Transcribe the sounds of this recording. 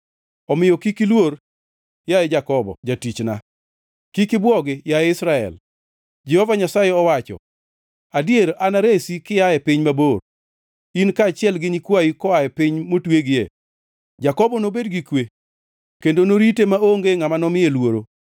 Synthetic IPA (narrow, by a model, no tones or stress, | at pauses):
ɔmɪjɔkikilwoɾ | jajɛd͡ʒakɔbɔ̰d͡ʒatit͡ʃna̰ | kikɪbwɔɡɪjajɛɪsɾaɛ̰l | d͡ʒɛhɔvaɲasajɛɔwat͡ʃɔ̰ | adjeɾʔanaɾesikɪjajɛpɪɲmabor | inkat͡ʃɪɛlɡɪɲikwaikɔajɛpɪɲmotweɡɪjḛ | d͡ʒakɔbɔnobedɡikwe | kendonoɾitemaoŋɡeŋamanɔmɪjelwoɾo